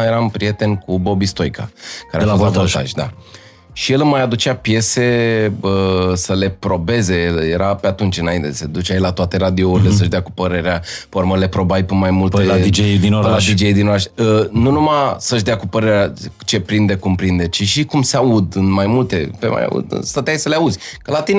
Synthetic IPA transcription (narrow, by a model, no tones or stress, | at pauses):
je̞ɾampɾije̞t̪e̞nkubo̞bist̪o̞jkʰa̰kaɾeaozvavoʃt̪a̰ʒʲd̪a̰ | ʃije̞lmajad̪ut͡ʃapje̞se̞əsəle̞pɾo̞be̞ze̞je̞ɾape̞at̪unt͡ʃʲɨnaint̪ese̞d̪ut͡ʃeajelat̪oat̪e̞ɾad̪iouɾile̞səʒd̪eakupəɾe̞ɾeapeoɾməle̞pɾo̞bajpemajmult̪eaid͡ʒejd̪inoɾlad̪id͡ʒejd̪ino̞ɾaʃʲənunumasəʒd̪eakupəɾe̞ɾeat͡ʃe̞pɾind̪ekumpɾind̪et͡ʃiʃikumseaud̪ɨnmajmult̪e̞pḛma̰ja̰ṵd̪ɨ̰nst̪at̪eajsəleaud̪zʲkəlat̪in